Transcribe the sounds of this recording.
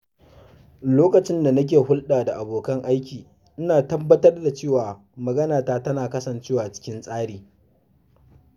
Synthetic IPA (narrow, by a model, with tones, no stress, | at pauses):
loː˦kɐ˨t͡ʃɪ˦nda˨nɐ˦k̬ʲeː˨hʊ˦lɗaː˨da˨ʔa˨boː˨kɐ˦ŋʔa˦jkʲiː˨ | ʔɪ˦naː˨tɐ˦bːɐ˦tɐ˦rda˨t͡ʃeː˦˨waː˨ | mɐ˨ɡɐ˦naː˨taː˦tɐ˦naː˨kɐ˦sɐ˨nt͡ʃeː˦waː˨t͡ʃɪ̥˦kʲɪ˦nsʼaː˦ɽiː˨